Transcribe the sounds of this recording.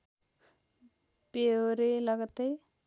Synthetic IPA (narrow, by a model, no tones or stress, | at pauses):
peoɾeləɡt̪e